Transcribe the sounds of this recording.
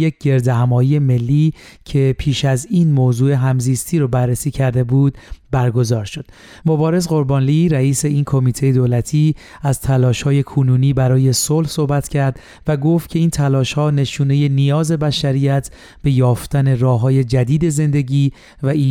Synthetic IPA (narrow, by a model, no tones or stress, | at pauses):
jec̚ɟe̞ɾd̪eɦæmɒːjije̞me̞lːiːcʰe̞pʰiːʃæziːnmoːzuːe̞ɦæmziːst̪ʰiːɾobærːesiːcʰæɾd̪e̞buːd̪̥bæɾɡo̞zɒːɾʃo̞d̪̥ | mobɒːɾe̞zɢo̞ɾbɒːnliɾæiːse̞iːnkʰo̞miːt̪ʰejed̪oːlæt̪ʰiː | æz̥t̪ʰælɒːʃhɒːje̞kʰonuːniːbæɾɒːje̞solhso̞hbæt̪cʰæɾd̪ | væɡo̞ft̪kcʰe̞iːnt̪ʰælɒːʃhɒːne̞ʃuːne̞je̞nijɒːze̞bæʃæɾijæt̪ʰ | b̥e̞jɒːft̪æne̞rɒːɦɒːje̞d͡ʒæd̪iːd̪e̞ze̞nd̪e̞ɟiː | væʔi